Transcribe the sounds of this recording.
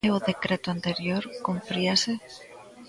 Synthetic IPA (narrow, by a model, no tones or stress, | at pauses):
eoðekɾet̪oant̪eɾjoɾkompɾiase